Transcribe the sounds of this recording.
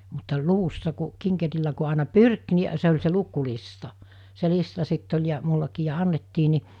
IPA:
mutːɑ luʋusːɑ ku kiŋkerilːæ ku ɑˑenɑ pyrk ni se olʲ se lukulistɑ se listɑ sitː olʲ jɑ mulːɑkiː jɑ ɑnːetːiː ni

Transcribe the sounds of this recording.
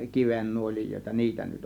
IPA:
kiʋenːuolʲijoˑe̝tɑ niːtæ nyt

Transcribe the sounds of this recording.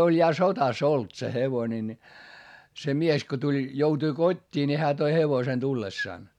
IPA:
olʲ jɑ sotɑs olt se heʋone ni se mies ko tulʲ joutui kotʲːiː ni hæː toi heʋosen tulːesːɑˑn

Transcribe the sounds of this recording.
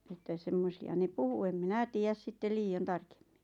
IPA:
etːæ semːosiɑ ne puhu em minæ tiːjæs sitːel liːon tɑrke̥m̥ːi̥

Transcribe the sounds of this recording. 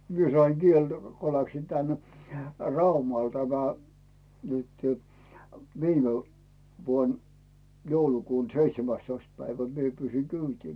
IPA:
mie sɑiŋ ɡ̊ieltæ ko læksin tæn rɑumɑl tæmæ nytẙ ʋiːme ʋuon joulukuːn̞ seitsemæstoist pæiʋæ mie pyːsiŋ kyːtiː

